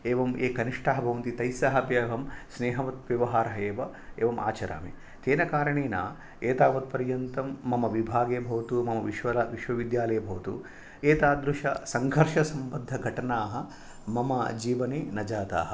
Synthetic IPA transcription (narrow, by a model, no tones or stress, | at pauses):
eːʋɐmeːkɐniʂʈaːɦɐbʱɐʋɐnt̪it̪ɐjsaːɦɐpjɐʋɐmsneːɦɐʋɐt̪ʋjɐʋɐɦaːɾɐɦɐeːʋɐ | eːʋɐmʔa̰ːt͡ʃɐɾa̰ːmḭ | t̪eːnɐkaːɾɐɳeːna̰ː | eːt̪aːʋɐt̪̚pɐɾjɐnt̪ɐmːɐmɐʋibʱaːɡeːbʱɐʋɐt̪umɐmɐʋiʃʋɐlɐʋiʃʋɐʋid̪jaːlɐjɐbʱɐʋɐt̪ṵ | eːt̪aːd̪ɾuʃɐ̰sɐŋɡʱɐɾʃɐsɐmbɐd̪ʱːɐɡʱɐʈɐnaːɦɐ̆ | mɐmɐ̰d͡ʒiːʋɐneːnɐd͡ʒaːt̪a̰ːɦɐ